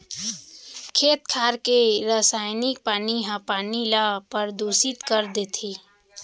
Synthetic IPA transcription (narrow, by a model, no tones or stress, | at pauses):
kʰeːt̪kʰaːɾkeɾəsaːɪnɪk̚paːniɦãpaːnilapəɾd̪oːsit̪kəɾd̪et̪ʰiː